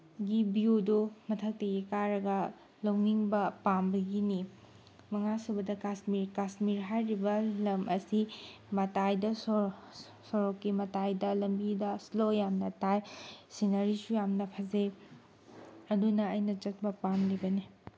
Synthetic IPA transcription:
ɡibijudumɐtʰɐk̚tɐɡikaɾɐɡɐ | lowniŋbɐpambɐɡini | mɐŋasubɐdɐkasmiɾkasmiɾɦajɾibɐlɐmʔɐsimɐtajdɐ | soɾokːimɐtajdɐlɐmbidɐslojamnɐtajsinɐɾisujamnɐpʰɐze | ɐdunɐɐjnɐt͡ʃɐt̚bɐpamlibɐni

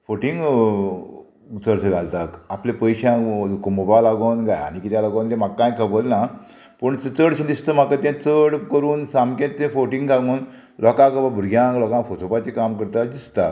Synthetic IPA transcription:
foʈiŋɡ | t͡səɽsəd͡zalt̪ak̪aplepəjɕãkomobalaɡonɡaja̰ñikit̪jalaɡont̪ẽmaɡkːãjkʰəbəlna | pəɳt͡sət͡səɽɕə̃d̪ist̪əm̤akat̪ãt͡səɽkəɾuːnsamkẽẽfoʈĩŋɡɡaɡoːn | lɔkãkəbabʱuɾɡjãklɔkãfot̪ʰopat͡ɕikamkəɾt̪ad̪ist̪a

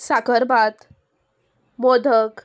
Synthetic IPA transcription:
sakəɾbat̪ | mod̪ʱək

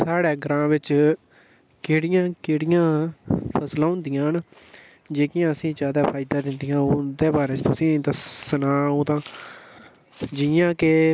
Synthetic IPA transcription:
saːɽeːɡəɾãːʋɪt͡ʃ | keːɽɪjãːkeːɽɪjãːpʰəslãːʊ̃nd̪ɪjãːɦn | d͡ʒeːkɪjãːəsĩːt͡ʃaːd̪aːpʰaːɪd̪aːd̪ɪnd̪ɪjãːod̪eːbaːɾeːt͡ʃt̪ʊsĩːd̪əssənãːoːt̪ãː | d͡ʒɪãːke

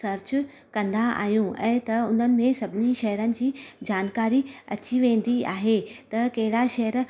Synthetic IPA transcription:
sɐɾt͡ɕ | kɐ̃nd̪aa̰ːɦijũʔɛ̰̃ːt̪ɐʊn̤ənɪ̆mẽsɐbʱɪniʃɐɦəɾənɪ̆d͡ʑiːd͡ʑaːnkaːɾiɐ̰t͡ɕiʋẽːnd̪iaːɦet̪ɐkɐɦɪɽaʃɐɦəɾ

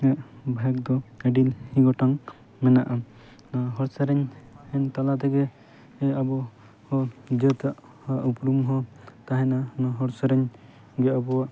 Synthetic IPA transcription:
ɛʔbʱak̚d̪ɔɛɖilhĩɡɔʈaŋ | mɛnaʔa | aɦɔɾsaɾɛɲhɛnt̪alat̪ɛɡɛ | ɛabɔ | hɔd͡ʒət̪aʔ | haʔupɾumɦɔt̪aɦɛnanaɦɔɾsaɾɛɲ | ɡɛabɔwaʔ

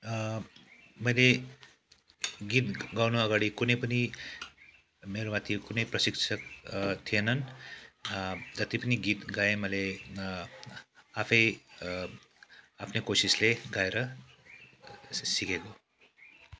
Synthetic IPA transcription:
məle | ɡit̪ɡawnuəɡaɽikunejpəni | meɾomat̪ʰikunəjpɾəsiksək̚t̪ʰijenan | d͡zət̪ipəniɡit̪ɡaeməle | afʰej | apnekosisleɡajeɾə | sikeko

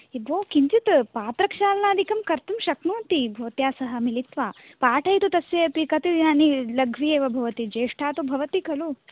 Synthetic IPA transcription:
ebʱoːkiɲt͡ʃit̪paːt̪ɾɐkʃaːlɐnaːd̪ʱikɐmkɐɾt̪umʃɐknuːnt̪ibʱoːt̪jaːsɐɦɐ̆milit̪ʋaː | paːʈʰɐjt̪ut̪ɐsʋjepikɐt̪id̪inaːnilɐɡʱʋieːʋɐbʱɐʋɐt̪id͡ʒeːʂʈʰaːt̪ubʱɐʋɐt̪ikɐlu

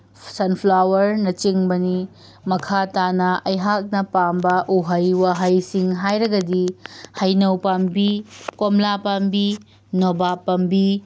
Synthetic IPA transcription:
sɐnpʰlawɐɾnɐt͡ʃiŋbɐni | mɐkʰatanɐɐjɦak̚nɐpambɐʔuɦɐjwaɦɐjsiŋɦajɾɐɡɐdihɐjnɐwpambikomlapambi | nobapɐmbi

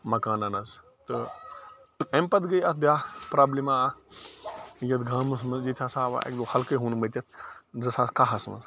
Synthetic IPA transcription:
mɐkaːnɐnɐz | t̪ɨ | t̪ɨɐmpɐd̪ɡəjɐt̪̚ʰbʲjaːpɾaːblima | jɐt̪ɡʱaːmɐsmɐd͡ʒit̪ʰaːsaːʋa̰ḛk̚d̪ohɐlkəɦuːnmət̪ʲɐt̪̚ʰzɐsaːskaɦɐsmɐ̰s

